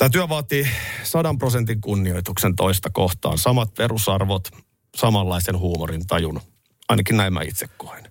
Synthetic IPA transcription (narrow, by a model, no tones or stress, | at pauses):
t̪æːt̪yæʋɑːt̪isɑdɑmpro̞sent̪iŋkunːio̞it̪uksent̪o̞ist̪ɑko̞ht̪ɑ̰ːnsɑmɑt̪̚pe̞ɾusɑrʋot̪ | sɑmɑlːɑisenɦuːmorint̪ɑjun | ɑinɑkinnæimːæ̰ḭt̪sekːohen